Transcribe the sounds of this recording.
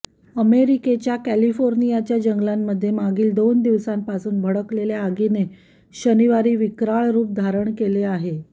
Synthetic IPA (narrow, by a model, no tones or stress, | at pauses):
əmeɾiket͡ɕjakælifoɾnijat͡ɕjad͡ʑəŋɡlamːəd̪ʱːjemaɡiːld̪ond̪iʋsampasuːnbʱəɽəkleljaːɡine | ɕəniʋaɾiːʋikɾaɭɾuːp̚d̪ʱaɾəɳkeleaɦe